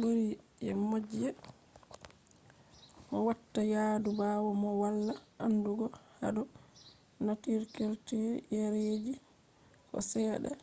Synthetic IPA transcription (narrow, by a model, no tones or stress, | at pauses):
boɾiʔɛ̰mod͡ʒɛ | mɔwatːajaːdubaːwɔmɔwalːaʔanduɡɔha̰dɔ | natiɾkeɾtejaɾed͡ʒi | kɔ̰sɛːɗa̰